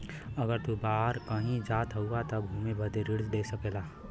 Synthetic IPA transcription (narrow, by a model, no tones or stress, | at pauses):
ɐɡəɾt̪ubaːɾkəɦĩd͡ʒaːt̪ɦəuat̪ɐbʱuːmebəd̪eɾɪɽzd̪eːsɐkeːlaː